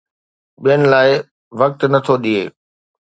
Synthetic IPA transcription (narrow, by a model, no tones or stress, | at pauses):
ɓijənɪ̆laːɪ | ʋɐk̚t̪nɐt̪ʰoɗiḛː